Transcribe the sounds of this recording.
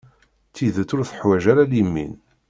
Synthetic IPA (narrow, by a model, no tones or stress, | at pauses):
t͡sːiðət͡s̪ːʊɾθə̥ħwæʒaɾalimːḭn